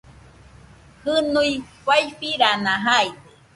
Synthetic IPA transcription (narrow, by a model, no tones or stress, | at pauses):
hɨnuifajfiɾanãɦajd̪e